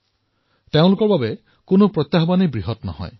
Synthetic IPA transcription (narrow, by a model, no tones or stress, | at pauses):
teʊ̃lukɔɹbabe | kunupɾɔt̪jaɦɔbanejbɹiɦɔtnɔ̰hɔ̰j